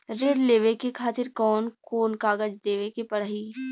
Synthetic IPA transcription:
ɾeɽleːʋekekʰaːt̪ɪɾkɔːnkoːnkaːɡəd͡ʒd̪eːʋekepɐɽɦiː

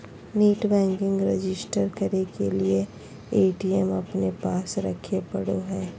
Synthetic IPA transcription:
niːʈbɛ̃ːŋkɪ̃ŋɡɾed͡ʒɪsʈəɾkɐɾekelie | eːʈiɛmɐpnepaːsɾɐ̰kʰepɐ̰ɽoɦɛː

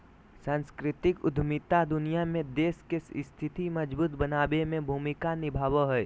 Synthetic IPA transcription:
sãːnskɾɪt̪ɪkʊ̰d̪ʱmiːt̪ad̪ʊnijamẽd̪eːskesst̪ʰɪt̪iməd͡ʒbuːt̪bənaːbemẽbʱuːmɪkanɪbʱaːwəɦɛː

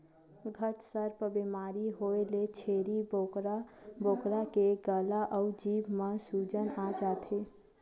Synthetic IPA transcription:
ɡʱəʈsəɾpəbimaɾiɦoelet͡ʃʰeɾibokɾaboːkɾakeɡəlaʔəʊd͡ʒiːbmẽsud͡ʒənad͡ʒat̪ʰe

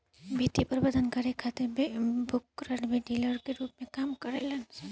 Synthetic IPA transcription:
biːt̪ipəɾbɐd̪ʱənkɐɾekʰaːt̪ɪɾbbʱʊkɾəʈbeɖiːləɾkeɾuːpmẽkaːmkəɾeləns

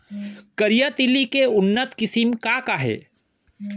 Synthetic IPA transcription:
kəɾijat̪ilikeʊnːət̪kɪsimkakaɦɛ̰ː

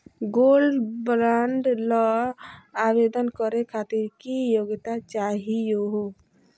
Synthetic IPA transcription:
ɡolɖbɾaɳɖlɔ | aːbed̪ənkəɾekʰaːt̪iɾkijoɡt̪at͡ʃaːɦijoɦo

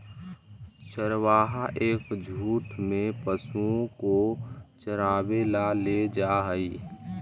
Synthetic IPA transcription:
ʃəɾwaːɦaʔeːkd͡ʒʱuːʈmẽpəsũkot͡ʃəɾaːwelaled͡ʒaːɦəi

